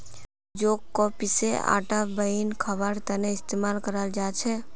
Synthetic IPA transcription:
d͡ʒoːkːopɪsea̰ːʈabəinkʰəbəɾt̪əneɪst̪eːmaːlkəɾəld͡ʒaːt͡ʃʰɛː

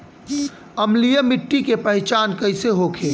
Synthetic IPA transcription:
əmlijəmiʈːikepəɦɪt͡ʃankəɪseɦokʰe

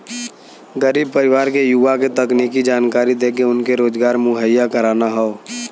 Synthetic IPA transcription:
ɡəɾiːb̚pəɾɪʋaːɾkejuʋaket̪ɐkniːkid͡ʒaːnkaːɾid̪eːkeʊnkeɾoːd͡ʒɡaːɾmʊɦəjːakəɾaːnaɦɛo

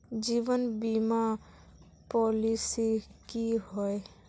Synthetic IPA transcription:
d͡ʒiːʋənbima | pɔlisikiɦɔe

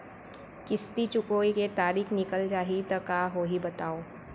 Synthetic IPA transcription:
kɪst̪it͡ʃʊkoːiket̪aːɾiːkʰnɪkəld͡ʒaːɦit̪ɐkaːɦoːɦibɐt̪aːoː

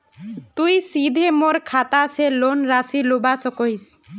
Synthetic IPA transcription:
t̪ujsid̪ʱemoɾkʰat̪aselonɾasilubasɔkojs

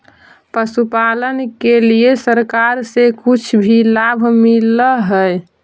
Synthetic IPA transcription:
pəsupalənkeliesəɾkaɾsekut͡ʃʰbʱilabʱmiləɦəe

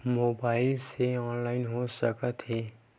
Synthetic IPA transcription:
moːbaːɪlseɔːnlaːɪnɦosəkət̪ɦɛː

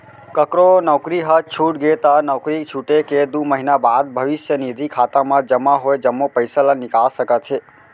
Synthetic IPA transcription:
kəkɾonəwkɾiɦət͡ʃʰuʈɡet̪anəwkɾit͡ʃʰuʈeked̪uməɦinabad̪̚bʱəʋiʃjənid̪ʱikʰat̪amãd͡ʒəmaɦojd͡ʒəmːopəjsalanɪkasəkat͡ʃʰe

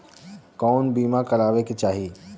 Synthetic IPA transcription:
kɔːnbiːmakɐɾaːʋekit͡ʃaːɦi

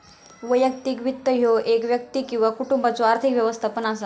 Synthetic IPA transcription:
ʋəjəkt̪iːkʋit̪ːəɦjoʔekʋjək̚t̪iːkĩw̃ʋakuʈumbat͡soaɾt̪ʰikʋjəʋəst̪ʰapənas̬a

